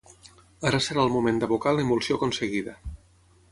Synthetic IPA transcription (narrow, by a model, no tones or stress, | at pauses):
aɾasəɾaəlˠmumẽnd̪əβukaləimulˠsiokunsəɣiðə